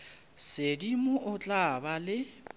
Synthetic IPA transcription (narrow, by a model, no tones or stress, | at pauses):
sedimʊʔʊt͡ɬʼabalɪ